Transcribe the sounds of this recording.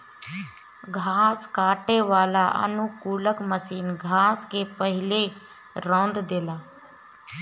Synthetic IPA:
ɡʱaːskaːʈeːʋaːlaʔə̰nukuːləkməsiːnɡʱaːskepəɦɪle | ɾɔ̃ːnd̪d̪eːlaː

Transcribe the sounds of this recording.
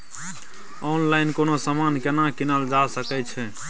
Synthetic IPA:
ɔnlaɪnkonosamankenakinəld͡ʒasəkɛt͡ʃʰɛ

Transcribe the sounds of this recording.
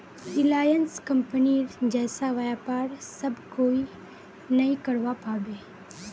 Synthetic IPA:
ɪlaːjənskɐ̃mpəniɾd͡ʒɛːsaʋajapaːɾsɐbkoːi | nɐĩkɐɾʋapaːbeː

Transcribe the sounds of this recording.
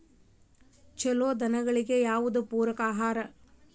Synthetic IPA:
t͡ʃɛloːd̪ɐnɐɣɐɭiɡejaːʋud̪upuːɾɐkaːɦaːɾɐ

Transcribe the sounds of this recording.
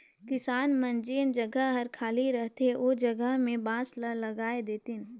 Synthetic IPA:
kɪsaːnmɐ̃nd͡ʒeːnd͡ʒɐɡəɦɦɐɾkʰaːliɾəɦt̪eoːd͡ʒɐɡəɦmẽbãːslalɐɡaːed̪eːt̪ɪn

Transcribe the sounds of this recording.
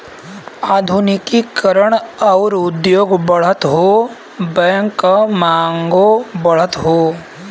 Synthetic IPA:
aːd̪ʱunikikəɾəɳɐwɾud̪joːɡbɐɭ̤ɐt̪ɦoː | bɛjŋkːɐmaːŋɡobɐɭ̤ət̪ɦoː

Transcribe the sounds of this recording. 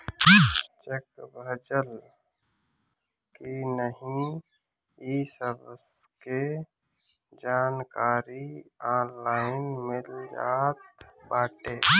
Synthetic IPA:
t͡ʃekbʱəd͡ʒəl | kinəɦĩ | iːsəbske | d͡ʒaːnkaːɾiãːnlaːɪnmɪld͡ʒa̰ːt̪baːʈeː

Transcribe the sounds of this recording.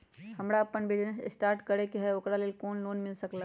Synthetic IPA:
hɐmɾaɐpənbɪd͡ʒnesɪ̰sʈaːɾʈkɐɾekeɦɛʊkɾaleːlkoːnloːnmɪlsɐklaː

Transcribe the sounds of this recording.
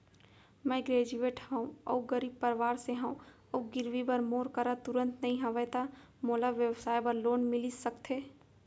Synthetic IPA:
mɛːɡɾeːd͡ʒueːʈhəũɔ̰ːɡəɾiːb̚pəɾʋaːɾseɦə̃ũ | ɔɡɪɾʋibəɾmoːɾkəɾat̪ʊɾə̃nt̪nɐɦĩɦɐ̃ʋət̪a | moːlaʋjəwsaːjbəɾloːnmɪlisəkt̪ʰeː

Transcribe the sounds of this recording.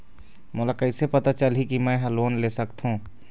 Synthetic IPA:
mʊlakəɪsepɐt̪at͡ʃəlɦikimɛ̃ɦəloːnleːsəkt̪ɦũː

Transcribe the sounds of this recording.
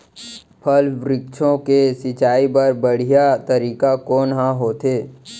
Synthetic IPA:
pʰɐlʋɾɪkʃʰõkesɪt͡ʃaːipɐɾbəɽ̤ijat̪əɾiːkakɔːnɦãɦoːt̪ʰeː

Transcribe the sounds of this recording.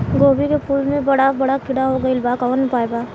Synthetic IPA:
ɡoːbikepuːlmẽbɐɽabɐɽakʰɪɽaɦoɡɐɪlbaːkanəpaːjbaː

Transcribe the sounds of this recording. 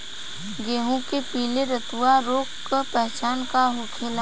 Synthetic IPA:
ɡeːɦõkepiːleɾət̪uaɾoːkkəpɛɦt͡ʃaːnkaɦʊkʰeːl

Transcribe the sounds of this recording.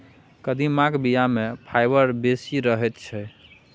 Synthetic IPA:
kəd̪imãkbijamepʰajbəɾbesiɾəɦɛt̪t͡ʃʰɛ

